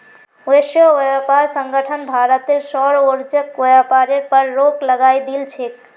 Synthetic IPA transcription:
esjəʋjapaɾsəŋɡəʈʰənbʱaɾət̪eɾsɔɾoɾd͡ʒəkʋəjapaɾeɾpəɾːokləɡajd̪ilt͡ʃʰek

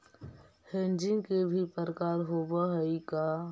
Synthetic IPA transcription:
hẽnd͡ʒɪ̃ŋkebʱipəɾəkaːɾɦobaɦəika

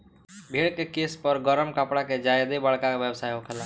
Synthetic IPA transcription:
bʱeɽkekespəɾɡəɾəmkəpɽaked͡ʒajd̪ebəɭkakebjebsajɦokʰela

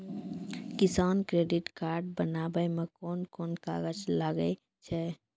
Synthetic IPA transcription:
kɪsaːnkɾeːɖɪʈkaːɾɖ̚bənaːbəjmẽkɔːnkɔːnka̰ːɡəd͡ʒlaːɡəe | t͡ʃʰɛ

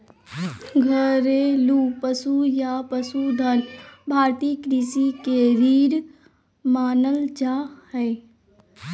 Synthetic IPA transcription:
ɡʱəɾeluːpəsujapəsud̪ʱənbʱaːɾt̪iːkɾiːsikeɾiːɾ | maːnəld͡ʒahɛː

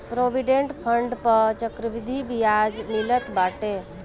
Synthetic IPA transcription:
pɾoʋiɖeɳʈpʰəɳɖpət͡ʃəkɾəʋid̪ʱibijad͡ʒmilət̪baʈe

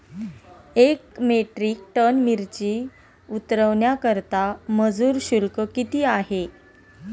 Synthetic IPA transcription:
ekmeʈɾiːk̚ʈənmiɾt͡ɕiː | ut̪ɾəʋɳjakəɾt̪aməd͡zuːɾɕulkəkit̪iːaɦe

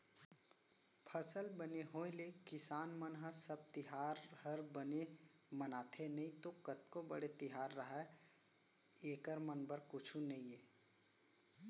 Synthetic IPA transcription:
pʰɐsəlbɐneɦoːlekɪsaːnmənɦəsɐb̚t̪ɪɦaːɾɦɐɾbɐne | mɐnaːt̪ʰenɐɦĩt̪okɐt̪̚kobɐ̰ɽet̪ɪɦaːɾːɐɦa | eːkəɾmənbəɾkʊt͡ʃʰũnɐɦĩeː

